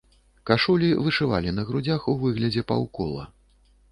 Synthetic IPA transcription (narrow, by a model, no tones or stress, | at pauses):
kaʂulʲivɨʂɨva̰lʲinɐɣɾud͡zʲaxuvɨɣlʲɐd͡zʲɛpa̰wkɔ̰lˠɐ̰